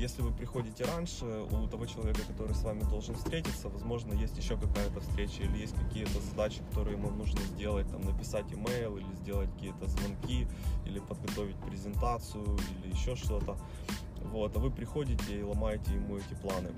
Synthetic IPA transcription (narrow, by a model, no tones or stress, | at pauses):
jesʲlʲɪvɨpɾʲɪxodʲɪtʲɪɾanʲʂɨ | ṵt̪ɐvo̞t͡ɕɪlˠɐvʲekəkɐt̪o̞ɾɨjsvamʲɪd̪o̞lˠʐɨnfst̪ɾʲetʲɪt̪sːəvɐzmo̞ʐnəjesʲtʲjɪɕːokɐkajət̪əfst̪ɾʲet͡ɕəilʲɪjesʲtʲkɐkʲijət̪əzɐd̪at͡ɕɪ̥kɐ̥t̪o̞ɾɨjɪmamnuʐnəzʲdʲe̞lˠət̚ʲt̪amnəpʲɪsatʲɪmɛjlˠilʲɪzʲdʲe̞lˠətʲkəkʲijət̪əzvɐnkʲiḭlʲɪpəd̪̚ɡɐt̪o̞vʲɪt̚ʲpɾʲɪzʲɪnt̪at̪sɨjʊilʲɪjɪɕːo̞ʂt̪o̞t̪ə | vo̞t̪ɐvɨpɾʲɪxo̞dʲɪtʲɪːlˠɐmajɪtʲɪjɪmuɛtʲɪplˠanɨ̰